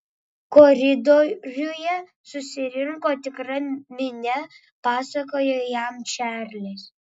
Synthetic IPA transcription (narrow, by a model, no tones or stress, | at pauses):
kɔɾʲɪd̪oɾʲʊjɛ | sʊsʲɪɾʲɪŋkoːt̪ʲɪkɾɐmʲɪnʲɛ | pɑːsɐkoːjojæmt͡ʃʲæːɾʲlʲes